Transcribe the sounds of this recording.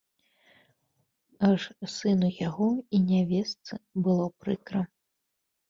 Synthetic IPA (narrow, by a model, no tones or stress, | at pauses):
ɐʂsɨnujaɣɔinʲavʲɛst̪sɨbɨlˠɔpɾɨkɾɐ